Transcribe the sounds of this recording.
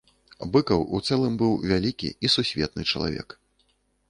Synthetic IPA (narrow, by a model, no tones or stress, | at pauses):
bɨkɐwut̪sɛlˠɨmbɨwvʲalʲikʲḭisusʲvʲɛt̪̚nɨt͡ʂɐlˠa̰vʲɛ̰k